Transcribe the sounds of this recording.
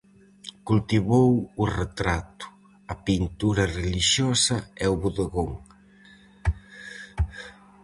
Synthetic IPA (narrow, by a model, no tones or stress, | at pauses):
kult̪iβowʊret̪ɾat̪ʊ̥ | ɐpint̪uɾɐreliʃjɔsɐɛʊβuðeɣoŋ